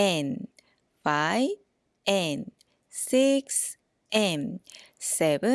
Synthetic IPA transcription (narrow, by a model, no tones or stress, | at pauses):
ɛn | faj | ʔɛn | siks | ʔɛnsɛbə